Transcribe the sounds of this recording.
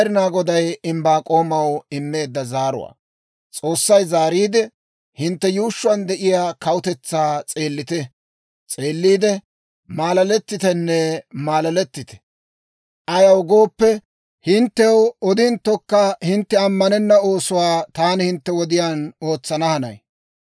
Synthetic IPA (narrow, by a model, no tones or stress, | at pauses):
ɾɪnaːɡɔd̪ɐjɪmbaːkʼo̞ːmɐwɪmːe̞ːd̪ːɐzaːɾʊ̰wa̰ː | t͡sʼo̞ːsːɐjzaːɾiːd̪ɛ | hɪnt̪ːɛjuːʃːʊɐnd̪ɛʔɪjaːkɐwʊt̪ɛt͡sːaːt͡sʼe̞ːlːɪt̪ɛ | t͡sʼe̞ːlːiːd̪ɛ | maːlɐlɛt̪ːɪt̪ɛnːɛmaːlɐlɛt̪ːɪt̪ɛ̥ | ʔɐjɐwɡo̞ːpːɛ | hɪnt̪ːɛwɔd̪ɪnt̪ːɔkːɐhɪnt̪ːɛɐmːɐnɛnːɐo̞ːsʊwaːt̪aːnɪhɪnt̪ːɛwɔd̪ɪjaːno̞ːt͡sːɐnɐhɐnɐ̰j